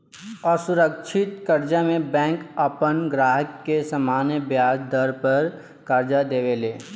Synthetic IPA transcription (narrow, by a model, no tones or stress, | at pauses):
ɔɾsʊɾəkʃʰɪt̪kəɾd͡ʒamẽbɛ̃ːŋkəpənɡɾaːɦəkːesɐmaːnjəbjaːsd̪ɔɾpəɾ | kəɾd͡ʒad̪eːʋeleː